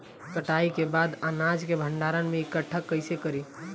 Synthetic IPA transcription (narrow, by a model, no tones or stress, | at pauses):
kəʈaikebad̪ənad͡ʒkebʱəɳɖaɾənmeɪkəʈʰːəkːəɪsekəɾi